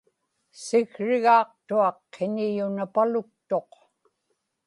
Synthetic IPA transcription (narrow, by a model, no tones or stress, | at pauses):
sɪɣɻɪɣɑːq̚t̪uɑqːenijunapalʊk̚t̪o̞q